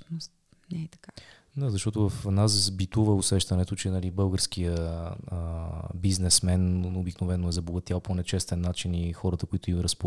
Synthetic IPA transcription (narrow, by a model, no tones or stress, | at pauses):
os | nɛɛt̪ɐ̥ka | d̪azɐʃt̪ɔt̪ʊvəfnazzbit̪uvəʊsɛʃt̪ənɛt̪ʊt͡ʃɛnəlibɤlˠɡəɾsk̟ijəəbiznɛsmɛnʊbiknovɛnːoɛzɐbloɡət̪ijalˠponɛt͡ʃɛst̪ɛnːat͡ʃinixɔɾət̪əkoit̪ʊimɾəspo